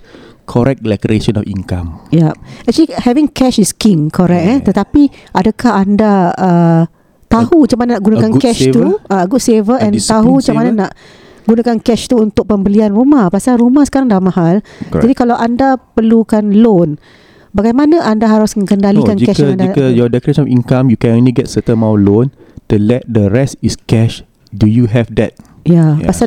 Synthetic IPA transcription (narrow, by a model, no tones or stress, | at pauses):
kʰɔɾɛk̚lɛ̰kɾeʃənɔ̰fḭŋka̰mjap̚ɛt͡ʃalihɛviŋkɛʃiskiŋkʰoɾɛk̚ɛt̪ət̪apiadəkahandaə | t̪ahut͡ʃamananaʔɡunakankɛʃt̪uʔaɡusevəɛ̃nt̪aɦuat͡ʃamananaʔ | ɡunakankɛʃt̪uunt̪ʊk̚pəmbəlianrumahpasalɾumahsə̥kaɾaŋdamaɦald͡ʒadikalawʔandapərlukanlon | baɡajmanãʔandaɦaɾʊsəŋkəndalikand͡ʒikɛʃkndikəjɔdɛkɾet͡ʃəɔfĩŋkãmjukɛ̃nõnliɡɛt̚sətə̃nmawlõn | tulɛt̚dəɹɛstiskɛʃ | dujuɦɛfdɛ̰t̚ | japasa